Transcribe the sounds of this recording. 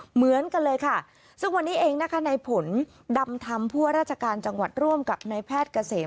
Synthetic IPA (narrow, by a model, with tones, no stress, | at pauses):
mɯ˩˦ənka˧nlɤː˧jkʰa˥˩ | sɯ˥˩ŋwa˧nːiː˦˥ʔeː˧ŋna˦˥kʰa˦˥na˧jpʰo˩˦n | da˧mt̪ʰa˧mpʰuː˥˩ɐɾaː˥˩t̪̚t͡ɕʰa˧kaː˧nt͡ɕa˧ŋwa˨˩t̪̚ɾu˥˩əmka˨˩p̚na˧jpʰɛː˥˩t̪̚ka˧seː˩˦